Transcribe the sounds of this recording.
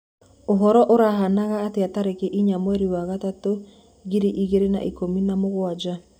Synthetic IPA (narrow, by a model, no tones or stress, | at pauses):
oɦɔɾɔʔoɾaɦanaɣaːteataɾekeʔiɲamwɛɾiwaɣatato | ɣiɾiʔiɣeɾena̰ʔikominamoɣwad͡ʒa